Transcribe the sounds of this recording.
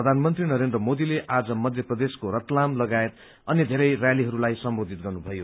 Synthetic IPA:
ʌd̪ʱanmʌnt̪rinʌɾend̪rʌmod̪ileʔad͡zʌmʌd̪ʱjʌprʌd̪eskoɾʌt̪lamlʌɡaet̪̚ | ʌnjed̪ʱeɾʌjrjaliɦʌɾulajsʌmbod̪ʱit̪̚ɡʌrnubʱʌjo

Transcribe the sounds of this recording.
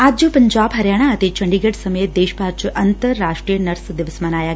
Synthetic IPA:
aːd͡ʒd͡ʒoːpəɲd͡ʒaːbɦɐɾjaːɽ̃aət̪et͡ʃɐ̃ɳɖiɡəɖsɐmeːt̪̚d̪eːʃpaːɾt͡ʃʔɐnt̪əɾːaːʂʈɾijənɐɾsd̪ɪʋəsmɐnaːjaː

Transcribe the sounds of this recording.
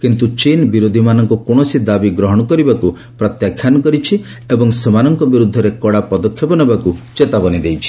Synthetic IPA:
kint̪ut͡ʃinbiɾod̪ʱimanɔŋkɔkoɳ̃ɔsid̪abiɡɾɔɦɔɽ̃ɔkɔɾibaku | pɾɔt̪jakʰːjanɔkɔɾit͡ʃʰi | ebɔŋsemanɔŋkɔbiɾud̪ʱːɔɾekɔɽapɔd̪ɔkʰjɔpɔnebakut͡ʃet̪abɔnid̪ejt͡ʃʰi̥

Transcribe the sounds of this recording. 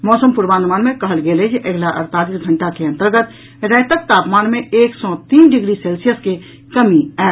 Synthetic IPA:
mɔːsəmpʊɾbãːnd̪maːnmẽkɐɦəlɡeːled͡ʒʔəɡlaʔə̰ɾt̪aːliːsɡʱə̃ɳʈakeɐ̃nt̪əɾɡət̪ | ɾɛ̃ːt̪ək̚t̪aːpmaːnmẽeːksɔt̪iːnɖɪɡɾiseːlsijəske | kɐmiɛː

